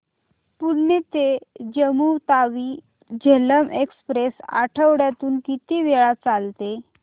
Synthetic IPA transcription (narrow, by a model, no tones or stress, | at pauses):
puɽnet̪ed͡ʑəmut̪aʋiː | d͡ʑʱeləmʔekspɾesa̰ʈʰəʋɽjat̪uːnkit̪iːʋeɭat͡salt̪e